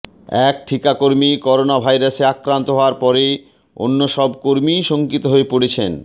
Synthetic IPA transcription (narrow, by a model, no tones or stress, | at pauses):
ɛk̚ʈʰikakoɾmikɔɾonabʱajɾaseakɾant̪oɦɔoaɾpɔɾe | o̰nːoʃɔbkoɾmiʃoŋkit̪oɦoepoɽet͡ɕʰen